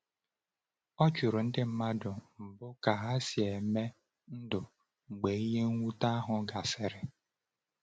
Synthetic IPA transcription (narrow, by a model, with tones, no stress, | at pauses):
ɔ˦t͡ʃu˨ɾʊ˨n̩˦dɪ˦m̩˦ma˦dʊ˨m̩˨bʊ˦ka˨a˦sje˨me˦ | n̩˦dʊ˨ | ŋ͡m̩˨ɡ͡be˨i˦je˦ŋ̩˦ŋʷu˦ta˦a˦ɦʊ˨ɡa˨sɪ˨ɾɪ˨